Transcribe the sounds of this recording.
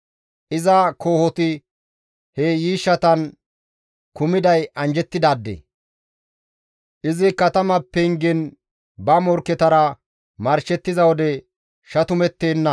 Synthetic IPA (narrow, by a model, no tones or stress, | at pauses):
ʔɪzɐkʰo̞ːhɔt̪ɪ | hejiːʃːɐt̪ɐn | kʊmɪd̪ɐjɐnd͡ʒɛt̪ːɪd̪aːd̪ːḛ | ʔɪzɪkɐt̪ɐmɐpːɛŋɡɪn | bɐmɔɾkːɛt̪ɐɾɐ | mɐɾʃɛt̪ːɪzɐwɔd̪ɛ | ʃɐt̪ʊmɛt̪ːeːnːɐ